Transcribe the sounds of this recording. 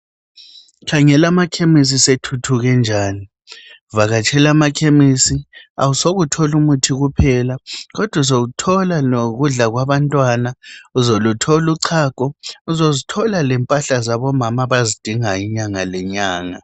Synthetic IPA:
kʰaŋɛlamakʰemis̬isetʰutʰuɣɛnd͡ʒʱaːni | vaɣat͡ʃʰʼɛlamakʰemisia̰wusoɣutʰɔlumutʰiɣupʰɛlaɣɔd̥ʱwazoɣutʰɔlanoɣuɮaɣwaβantʼwanauzolutʰɔluǀʰaːkʼɔuzozitʰɔlalɛmpʼaɬazaβɔmamaβazid̥ʱiŋaiɲaŋalɛɲaːŋa

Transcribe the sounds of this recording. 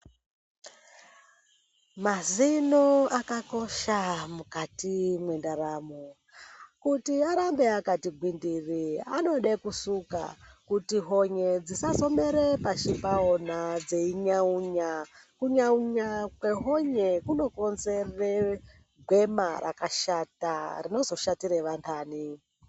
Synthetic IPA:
mazinoakako̞ʃamukatimwendaɾaːmo | kutiaɾambeakatiɡwindiria̰no̞ɗekusuka̰kutiɦoɲed͡zisaso̞me̞ɾepaʃipaonad͡ze̞iɲauɲakuɲauɲakwe̞ɦo̞ɲekuno̞ko̞nzere | ɡʱwe̞mara̰kaʃatarino̞zo̞ʃatiɾeʋantʰaːni

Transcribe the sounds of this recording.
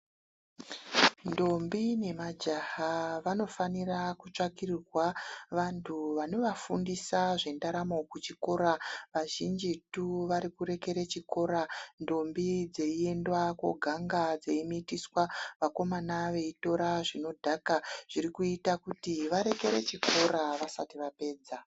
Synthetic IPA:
ndo̞mbine̞mad͡ʒahaʋano̞fanirakut͡ʂakirrwaʋantʰuʋano̞ʋafundisaʐe̞ndaɾamo̞kut͡ʃiko̞ɾaʋaʒind͡ʒituʋaɾikuɾe̞ke̞ɾet͡ʃiko̞ɾando̞mbid͡ze̞ie̞ndwakwo̰ɡʱaŋɡad͡zeimitiswaʋako̞manaʋe̞ito̞ɾaʐino̞dʱakaʐ̥iɾikuitakutiʋaɾe̞ke̞ɾḛt͡ʃiko̞ɾaʋasatiʋape̞ːd͡za

